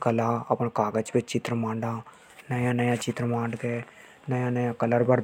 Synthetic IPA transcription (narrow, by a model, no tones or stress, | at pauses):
kəlãːə̰pɳkaːɡət͡ʃbɪt͡ʃt͡ʃɪt̪ɾmãːɳɖãː | nəjãːnəjãːt͡ʃɪt̪ɾəmãːɳɖɡɛː | nəjãːnəjãːkələɾbəɾ